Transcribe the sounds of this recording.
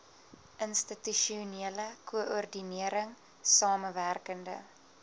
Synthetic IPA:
ʔənstityʃiuniələkʰuəʔurdiniəɾəŋ | sɑːməværkəndə̰

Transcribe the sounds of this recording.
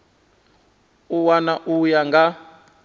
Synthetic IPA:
uwanaʔujaŋɡa

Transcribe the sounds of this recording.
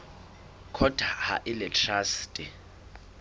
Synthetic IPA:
kʰɔd̥ʱaha̰ʔɪlɛtʰʼrastʼi

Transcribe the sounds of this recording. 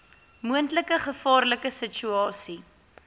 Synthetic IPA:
muəntləkəχəfɑːrləkəsət͡ʃyɑːsi

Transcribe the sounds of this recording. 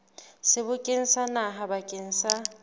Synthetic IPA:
sɪbʊkʼɪn̩sanaɦabakʼɪn̩sa

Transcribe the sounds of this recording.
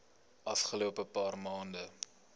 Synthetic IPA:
ʔɐfχəluəpəpɑːrmɑːndə

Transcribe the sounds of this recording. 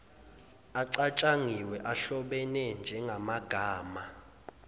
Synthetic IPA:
aǀat͡ʃʼaŋiwɛʔaɬɔɓɛnɛnd͡ʒʱɛŋʱamaɡ̥ʱaːma

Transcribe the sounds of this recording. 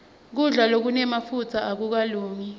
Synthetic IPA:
k̬uɮalok̬unɛmafut͡sʰaʔak̬uk̬aluːŋi

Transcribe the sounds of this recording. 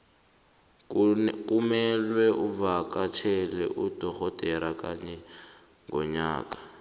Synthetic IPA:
kʼumɛlwɛʔuvakat͡ʃʰɛlɛ̰ʔud̥ɔxɔtʼɛɾakʼaɲɛ | ŋɡɔ̰ɲa̰ːkʼḁ

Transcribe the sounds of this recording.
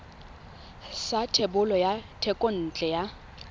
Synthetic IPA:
satʰebʊlɔjatʰɛkʼon̩t͡ɬʼɛja

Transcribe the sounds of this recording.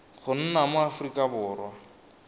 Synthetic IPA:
χʊn̩namʊafrikʼabʊːrwa

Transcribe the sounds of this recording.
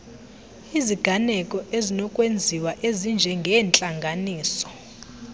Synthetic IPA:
iziɡ̥ʱanɛkʼɔʔezinɔkʼwend͡zʱiwaʔezind͡ʒʱɛŋɡʱɛːnt͡ɬʼaŋɡʱaniːsɔ̥

